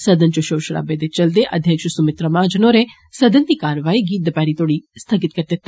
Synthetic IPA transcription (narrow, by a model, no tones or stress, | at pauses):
səd̪ənt͡ʃoʃoːʃəɽa̰ːbeːd̪et͡ʃəld̪eːʔəd̪ʱjəkʃsʊmɪt̪ɾəmãːd͡ʒənoːɾeː | səd̪ənt̪iːkaːɾʋaːiːɡiːt̪̚d̪əpɛːɾiːt̪oːɽiːst̪ʰəɡɪt̪̚kəɾd̪et̪ː